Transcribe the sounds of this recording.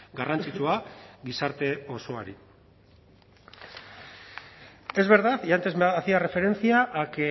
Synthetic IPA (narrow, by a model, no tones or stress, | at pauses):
ɡarant͡sit͡ʃuaɡisaɾt̪e̞o̞so̞aɾi | e̞zβe̞ɾðaθʝant̪ezmeɣaθiare̞fe̞ɾe̞nt͡siaʔːke